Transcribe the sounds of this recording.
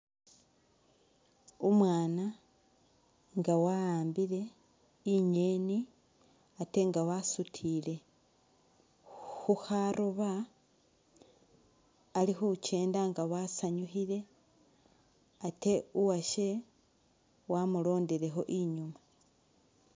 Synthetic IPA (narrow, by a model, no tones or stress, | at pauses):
umwaːna | ŋɡawaaːmbiɾe̞ | iɲeni | ate̞ŋɡawasutʰile̞ | xuxaɾʔoβa | lixut͡ʃe̞ːndaŋɡawasaɲuxile̞ | ate̞uwaʃe̞ | wamulo̞ːndiɾe̞xo̞ʔiɲuma